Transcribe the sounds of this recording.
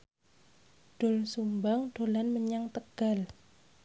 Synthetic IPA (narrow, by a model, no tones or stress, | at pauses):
ɖ̥ʊ̤lsumbaŋɖ̥o̤lanməɲaŋt̪əɡ̥al